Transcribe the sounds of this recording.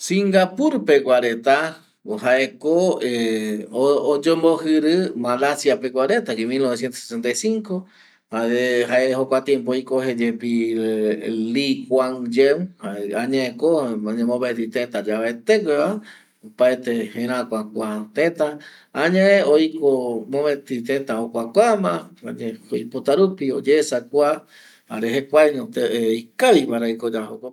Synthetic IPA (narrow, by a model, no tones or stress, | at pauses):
sĩŋɡapuɾpeɡʷaɾet̪a | haʔekoeood͡ʒombohɨɾɨmalasjapeɡʷaɾet̪akimilnoβesje̞nt̪osesent̪ajsiŋko | haehaehokʷat̪jẽmpoojkoɦed͡ʒepi | likwaŋd͡ʒemhaeaɲãekomãɲẽmõbet̪it̪ẽnt̪ad͡ʒaβaet̪ekʷeβa | paet̪ehẽɾ̃ãkʷakʷat̪ẽt̪a | aɲãeojkomõmet̪it̪ẽnt̪ahokʷakʷamãaɲẽojpot̪aɾupiod͡ʒesakʷa | haɾeɦekʷajɲõt̪eejkaβiβaɾaikod͡ʒahoko